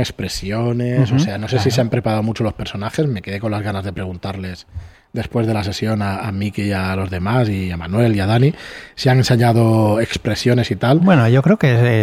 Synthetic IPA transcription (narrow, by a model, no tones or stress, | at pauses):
ekspɾe̞sjo̞nesose̞ano̞sesiseampɾe̞paɾaomut͡ʃo̞lo̞spe̞ɾso̞naxe̞zme̞ke̞ðe̞ko̞lazɣanazðe̞pɾe̞ɣ̞unt̪aɾle̞z | d̪e̞spwe̞zðe̞lase̞sjo̞naːmikealo̞zðe̞masiamanwe̞liaðaniseaŋe̞nseɲað̞o̞e̞kspɾe̞sjo̞ne̞sit̪albwenoʝokɾeoke